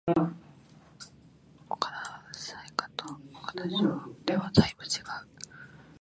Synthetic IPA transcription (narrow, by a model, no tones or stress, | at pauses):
okanasaikḁt̪ookanaid̪e̞βad̪aibɯ̟t͡ɕiɡ̥aɯ̟